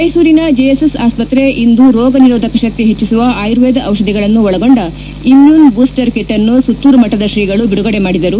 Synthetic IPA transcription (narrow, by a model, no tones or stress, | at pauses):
mɐjsuːɾinɐd͡ʒejesesaːspɐt̪ɾe̞ʔind̪uɾɔːɡɐniɾoːd̪ʱɐkɐʃɐk̚t̪iɦet͡ʃːisuʋɐʔaːjɾʋeːd̪ɐʔɐʋʃɐd̪ʱiɡɐɭɐnːuɔɭɐɡo̞ɳɖɐ | imjuːnbuːsʈɐɾkeʈːɐnːusut̪ːuːɾɐmɐʈːɐd̪ɐʃiɡɐɭubiɽuɡɐɽe̞maːɽid̪ɐɾu